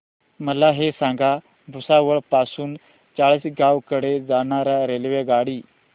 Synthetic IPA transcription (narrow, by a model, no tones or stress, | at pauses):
məlaɦesãŋɡa | bʱusaʋəɭpasuːn | t͡saɭisɡawkəɽed͡zañaɾaɾelʋeɡaɽiː